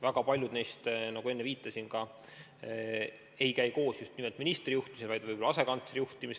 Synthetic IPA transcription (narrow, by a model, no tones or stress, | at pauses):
væɡ̥ɑpɑlʲjud̪ne̞jst̪nɑɡ̥ue̞nːeviːt̪ˑːɑsinkɑ | e̞jkæjko̞ːsjust̪nimelt̪minist̪rijuht̪imisinvɑjd̪vɯjbolɑɑse̞kɑnt̪seɾijuht̪imis